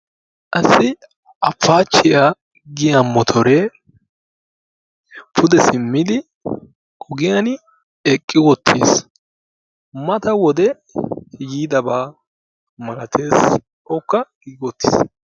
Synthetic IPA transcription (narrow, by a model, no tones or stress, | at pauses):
ʔɐsɪ | ʔɐfːaːt͡ʃːɪja | ɡɪjɐmɔt̪ʰɔɾɛ | pʰʊd̪ɛsɪmːɪd̪ɪ | kʼɔɡɪjɐn | ɛkʼːɪwɔt̪ʰːḭːs | mɐt̪ɐwɔd̪ɛ | jiːd̪ɐbaː | mɐlɐt̪ʰeːs | ɔkːɐɡ̥iːɡɪwɔt̪ːi̥̰s